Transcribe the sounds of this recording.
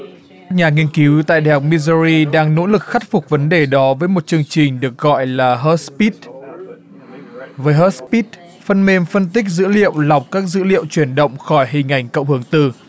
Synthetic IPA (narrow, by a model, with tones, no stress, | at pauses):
kaː˦˥k̚ɲaː˨˩ŋi˧ənki˨˦wt̪a̰ː˧˨jɗa̰˨˩ha˨˩wk͡p̚mi˧zə˧ɾi˧ɗaː˧ŋno̰˧˥lɨ˨˩k̚xa˦˥jk̚fʊ˨˩k͡p̚və˨˦nɗe˨˩ɗɔ˨˦vəː˨˦jmo˨˩t̚t͡ɕɨ˧əŋt͡ɕï˨˩ŋ̟ɗɨ˨˩ək̚ɣɔ̰˧˨jlaː˨˩ɦə˦˥t̚spi˦˥t̚ | vəː˨˦jɦəː˦˥t̚spi˦˥t̚ | fə˧nme˧mfə˧nt̪ï˦˥k̟̚zɨ̰˧˥lḭ˧˨əwla˨˩wk͡p̚kaː˦˥k̚zɨ̰˧˥lḭ˧˨əwt͡ɕwi˧˩ənɗə̰˧˨wŋ͡mxɔ˧˩jɦï˨˩ŋ̟ʔa˧˩jŋ̟kə̰˧˨wŋ͡mhɨ˧˩əŋt̪ɨ˨˩